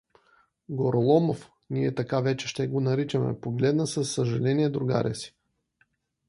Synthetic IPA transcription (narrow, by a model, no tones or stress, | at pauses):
ɡoɾolˠɔmof | niɛt̪ɐkavɛt͡ʃɛʃt̪ɛɡonɐɾit͡ʃɐmɛ̰poɡlɛd̪nəsɐsːɐʒɐlɛniɛd̪ɾuɡa̰ɾɛ̰si̥